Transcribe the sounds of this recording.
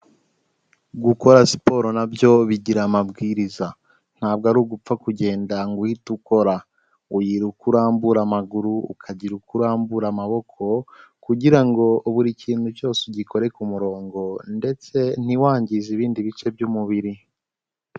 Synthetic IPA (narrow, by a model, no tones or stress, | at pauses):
ɡuko̞ɾasi̥po̞ɾo̞nabjo̞βiɟiɾamabɡiːɾiza | n̥haːb̚ɡaɾuɡup͡fakuɟe̞ːndaŋɡuhituko̞ɾa | ujiɾukuɾaːmbuɾamaɡuɾṵːkʰaɟiɾukuɾaːmbuɾamaβo̞kʰo̞kuɟiɾaŋɡo̞uβuɾiciːnhuco̞ːseɟikʰo̞ɾe̞kumuɾo̞ːŋɡo̞nde̞t͡se̞n̥iwaːɲɟiziβiːndiβit͡ʃe̞b̚jumuβiɾi